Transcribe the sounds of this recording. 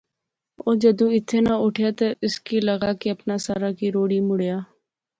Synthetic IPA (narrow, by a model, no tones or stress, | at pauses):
oːd͡ʒəd̪ũːɪt̪ʰːeːnaːʊʈʰjaːt̪aʔɪskiːləɡaːkeəpnaːsaːɾaːkiːɾoːɽiːmʊɽjaː